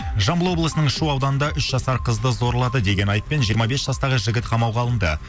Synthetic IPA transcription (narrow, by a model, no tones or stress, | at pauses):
ʒɑmbəlˠwo̞blˠəsənəɴʃuɑwd̪ɑnənd̪ɑʔʏʃʒɑsɑɾqʰəzd̪əzo̞ɾlˠɑd̪əd̪e̞ɡʲe̞nɑjəppːe̞nʒijəɾmɑbe̞sʒ̥ɑst̪ɑʁəʒɪɡʲɪt̪qʰɑmɑwʁɑlˠənd̪ə